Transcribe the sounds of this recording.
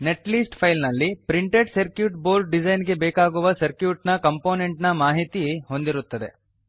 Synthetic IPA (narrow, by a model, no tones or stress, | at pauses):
ne̞ʈliːsʈpʰɐjlnɐlːipɾiɳʈeɖsɐɾkjuːʈboːlɖid͡ʒɐjnɡe̞bɛːkaːɡuʋɐsɐɾkjuːʈnɐkɐmpo̞ːneɳʈnɐmaːɦit̪iɦo̞nd̪iɾut̪ːɐd̪e̞̰